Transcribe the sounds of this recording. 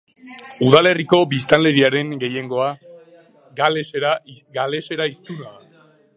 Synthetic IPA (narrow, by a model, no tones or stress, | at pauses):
uðale̞riko̞bist̪anle̞ɾiaɾe̞ŋɡe̞je̞ŋɡo̞a | alɾaɡale̞se̞ɾaist̪unaa